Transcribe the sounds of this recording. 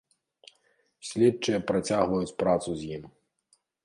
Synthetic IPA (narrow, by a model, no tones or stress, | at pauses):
sʲlʲɛtt͡ʂɐjɐpɾat͡sʲaɣvɐjut͡sʲpɾat̪suzʲjim